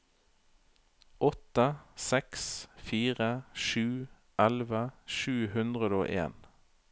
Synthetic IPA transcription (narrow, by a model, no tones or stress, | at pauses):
ʔɔt̪əsɛksfiːʁəʃʉː | ʔɛlʋəʃʉːhʉnd̪ʁəd̪əo̰ːʔḛːn